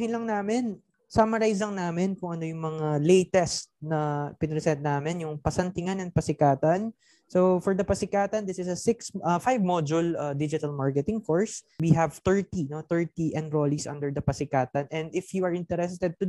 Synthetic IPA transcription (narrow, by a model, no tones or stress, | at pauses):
hɪnlɐŋnaːmɪn | samɐɾajslɐŋnaːmɪnkʊŋʔɐno̞jʊŋmɐŋalejt̪ɛst̪̚nɐpɪnɾɛsɛnt̪̚naːmɛnjʊŋpɐsɐnt̪ɪŋanɐŋpɐsɪkaːt̪ɐn | sofɔɹd̪ɐpɐsɪkaːt̪ɐnd̪ɪsɪsɐsɪksɐfajvmod͡ʒʊlɐd̪ɪd͡ʒɪt̪ɐlmaɹkɛt̪ɪŋkoɹswiɦɛvt̪ɛɹt̪ino̞t̪ɛɹt̪iʔɛ̃nd̪ɾolisʔɐ̰̃nd̪ɛɹd̪ɐpɐsɪkaːt̪ɐnʔɛ̃nd̪ɪfjuɐɹɪnt̪ɛɾɛst̪ɛd̪̚t̪ʊ